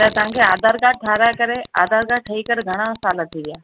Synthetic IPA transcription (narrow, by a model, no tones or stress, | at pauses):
t̪at̪ɐɦãŋkʰeaːd̪ʱaːɾkaʈʰaːɾakɐɾea̰ːd̪aːɾkaʈʰəikəɾɡʱɐɽ̃asaːlat̪ʰiʋɪjaː